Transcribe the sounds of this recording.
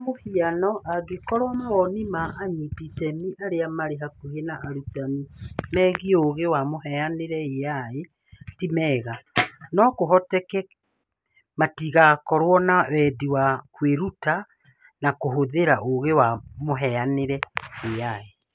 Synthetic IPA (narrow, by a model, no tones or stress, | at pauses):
mohianɔʔaɣikɔɾwɔmaɣɔnimaʔːɲititɛmiʔaɾeamaɾeɦakuhenaʔaɾutamimɛɣioɣewamoɦɛaneɾɛeae | timɛːɣanɔkoɦɔtɛkɛ | matiɣakɔɾwɔnawɛdiwakweɾuta | nakoɦoðeɾaʔoɣewamoɦɛaneɾɛejae